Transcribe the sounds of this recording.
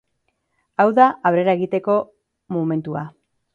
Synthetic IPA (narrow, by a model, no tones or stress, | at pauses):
awðaʔaβɾe̞ɾae̞ɣit̪e̞ko̞ | mome̞nt̪ua